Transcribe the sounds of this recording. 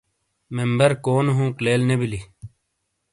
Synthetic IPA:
membəɾkoːnɦũːkleːlnebili

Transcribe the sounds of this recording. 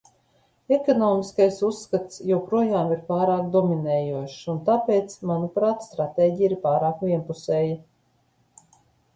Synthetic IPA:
ɛkɔnɔːmiskajsusːkat̪sjɛwpɾuɔjaːmiɾpaːɾaːk̚d̪ɔminɛːjuɔʃunt̪apeːt̪smanupɾaːt̪st̪ɾat̪eːɟijiɾpaːɾaːkvʲiɛnpusɛːja

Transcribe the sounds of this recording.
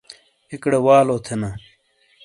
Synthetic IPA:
ikɽewaːloːt̪ʰenɐ

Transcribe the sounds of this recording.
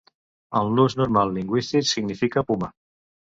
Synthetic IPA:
əlˠnuznuɾmalˠːiŋɡwist̪iksiɡnifikapuma

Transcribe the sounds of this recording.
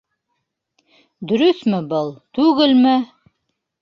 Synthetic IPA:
d̪ɵ̆ɾɵθmɘbɤlˠt̪ʉɣɘlmɘ

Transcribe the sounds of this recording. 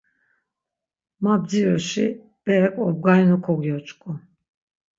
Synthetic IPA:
mab̚d͡ziɾɔʃi | b̥ɛɛkʰʼɔb̚ɡainukʰɔɡjɔt͡ʃʼkʰʼu

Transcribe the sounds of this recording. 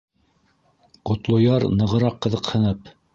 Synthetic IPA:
qŏt̪lˠŏjɑɾnɤ̆ʁɤ̆ɾɑqːɤ̆ðɤqhɤ̆nɤp

